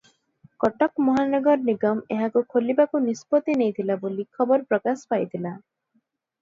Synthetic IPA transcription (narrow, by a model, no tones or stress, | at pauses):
kɔʈɔkmɔɦanɔɡɔɾniɡɔmeɦakukʰolibakunispot̪inejt̪ʰilabolikʰɔbɔɾpɾɔkaspajt̪ʰila